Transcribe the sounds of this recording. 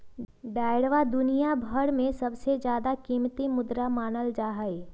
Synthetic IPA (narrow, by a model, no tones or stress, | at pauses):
ɖaːɪɽʋad̪ʊnijabʱəɽmẽsɐbsed͡ʒjaːd̪akiːmt̪imʊd̪ɾamaːnəld͡ʒaːɦəe